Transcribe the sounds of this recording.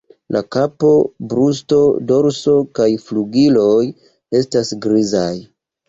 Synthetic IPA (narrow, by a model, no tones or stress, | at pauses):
lʔakapo̞bɾusto̞do̞ɾso̞kajfluɡilo̞j | e̞stasɡɾizaj